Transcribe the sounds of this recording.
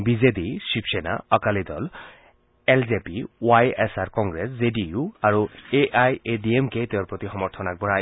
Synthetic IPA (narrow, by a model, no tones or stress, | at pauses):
bid͡ʑed̪iʃipʰʃena̰ɔkalid̪ɔl | eld͡ʑepiwajesaɾkɔŋɡɾeszeɖiuaɾueʔajediemket̪eoɾpɾot̪ixɔmɔɾt̪ʰɔnaɡ̚bɔɾaj